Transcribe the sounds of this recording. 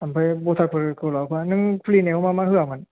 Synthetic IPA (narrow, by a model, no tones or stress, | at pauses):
ampʰajbot̪ʰakpʰɯɾkɯlɔpʰanɯŋpʰliːnewmaːmaːhɯəman